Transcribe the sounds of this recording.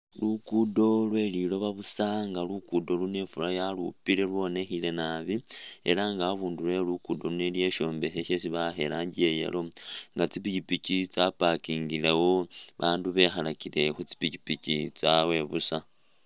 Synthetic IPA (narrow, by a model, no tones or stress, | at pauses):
lukudo̞lwe̞lilo̞βaβusaŋɡalukudo̞lune̞fulajalupiɾe̞lwo̞ne̞xile̞naβiḛɾaŋɡaβuːndule̞lukudo̞lunelje̞ʃo̞ːmbe̞xeʃesiβaxe̞ɾaːɲɟiejḛlo̞ŋɡat͡sipicipicit͡sapakiːŋɡilewoβaːnduβe̞xalakile̞xut͡si̥picipicit͡sawe̞βusa